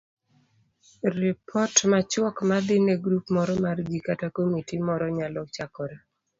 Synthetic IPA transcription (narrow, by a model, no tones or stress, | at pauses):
ɾɪpʰɔtmat͡ʃwɔkmad̪ɪneɡɾupmɔɾɔmarɡikatakomitimɔɾɔɲalɔt͡ʃakɔɾa